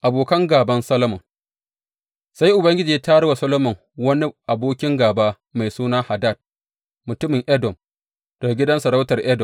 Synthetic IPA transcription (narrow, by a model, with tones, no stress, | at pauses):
ʔa˨boː˨kɐ˦ŋɡaː˨bɐ˦nsɐ˦lɐ˦mɔ˨ŋ | sa˦jʔʊ˨bɐ˦ŋɡʲɪ˦d͡ʒiː˨˦taː˦ɽɐ˦wa˨sɐ˦lo˦mɐ˨ŋ | wɐ˦ni˦ʔa˨boː˦kʲɪ˦ŋɡaː˨baː˦ | ma˨jsuː˦naː˦ha˨daː˦˨d̚ | mʊ˨tʊ˦mɪ˨ŋʔɛ˦dɔ˨m | d̥ɐ˨ɡa˨ɡʲɪ˦dɐ˦nsɐ˨ɾa˦wtɐ˨rʔɛ˦dɔ˨m